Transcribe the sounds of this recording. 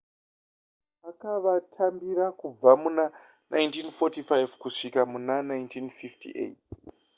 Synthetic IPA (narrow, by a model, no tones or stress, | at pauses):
akaʋatʰambirakub͡vamuna | nʔa̰jntinfotifajvkuʂikamunanajntʰinfiftḭʔḛt